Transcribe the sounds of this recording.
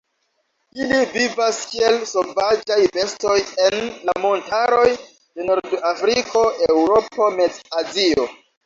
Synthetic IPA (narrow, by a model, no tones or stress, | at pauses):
ilivivaskie̞lso̞vad͡ʒajve̞sto̞je̞nlamo̞ntaɾo̞j | d̥e̞no̞ɾdafɾikʰo̞e̞wɾo̞po̞me̞d͡zazio̞